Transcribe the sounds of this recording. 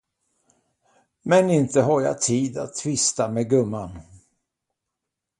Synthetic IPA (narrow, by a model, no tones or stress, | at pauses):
mɛnɪnt̪əɦaɾja̰t̪ʰiːd̪a̰t̪ʰːvɪst̪ameɡɵmːan